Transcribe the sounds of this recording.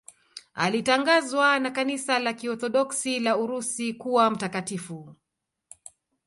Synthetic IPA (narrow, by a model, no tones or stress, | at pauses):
a̰litaŋɡazwanakanisalakiɔθɔɗɔksilauɾusikuwam̩takatifu